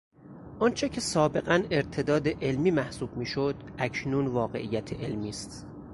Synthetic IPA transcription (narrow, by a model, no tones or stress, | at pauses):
ʔɒnt͡ʃʰecʰe̞sɒːbe̞ɣæneɾt̪ʰe̞d̪ɒːd̪e̞ʔelmiːmæhsuːbmiːʃod̪ | æcʰnuːnvɒːɣe̞ʔijːæt̪ʰeʔelmiːst̪